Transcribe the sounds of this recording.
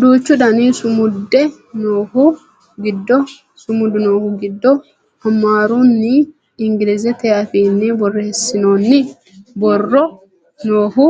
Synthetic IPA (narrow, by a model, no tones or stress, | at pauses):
d̪uːt͡ʃːʊd̪ɐnisʊmʊd̪ːɛ | noːhʊ | ɡɪd̪ːɔ | sʊmʊd̪ɛnoːhʊɡɪd̪ːɔ | ɐmːaːɾunːɪ | ɪŋɡɪlɪzɛt̪ɛːɐfiːnːɪbɔrːɛhɛsːɪnoːnːɪ | bɔrːɔ | noːɦʊ